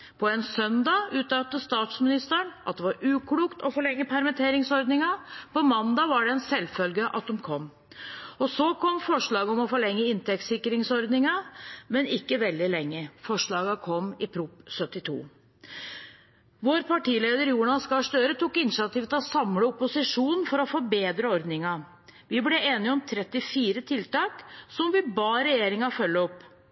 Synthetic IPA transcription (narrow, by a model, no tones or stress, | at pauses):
pʰɔɛnsœnd̪ɑʉːt̪ɑt̪ːəst̪ɑːt̪smɪnɪst̪əɳʔɑt̪̚d̪ɛʋɑɾʉːkʰɽuːkt̪ɔfɔɭɛŋːəpʰæɾmɛt̪ʰeːɾɪŋsɔɾd̪nɪŋɑpɔmɑnd̪ɑʋɑɖɛɛnsɛlfœlɡəʔɑ̰t̪̚d̪ɔmkʰɔmː | ɔsɔkʰɔmːfɔʂɭɑːɡəɔmɔfɔɭɛŋːəɪnt̪ɛk̚t̪sɪkːɾɪŋsɔɾd̪nɪŋɑmɛnɪkːəʋɛld̪ɪlɛŋːəfɔʂɭɑːɡɑkʰɔmːɪpʰɾuːpsœt̪ːɪt̪ʰṵː | ʋoːɾpʰɑʈiːleːd̪əɾjuːɳɑskɑʂt̪øːɾət̪uːkːɪnʂɑt̪iːft̪ɑsɑmləʊpːʊsɪʂuːnnfɔɾɔfɔbeːd̪ɾəɔɾd̪nɪŋɑ | ʋɪblɛeːnɪɔmt̪ʰɾɛt̪ːɪfiːɾət̪ʰɪlt̪ɑːksɔmʋɪbɑːɾɛjeːɾɪŋɑfœlːəɔpː